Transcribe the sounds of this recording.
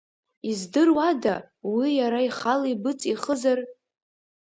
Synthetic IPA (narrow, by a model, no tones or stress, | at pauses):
izdɨrwada | wijaɾaiχalibɨt͡sʼiχəzar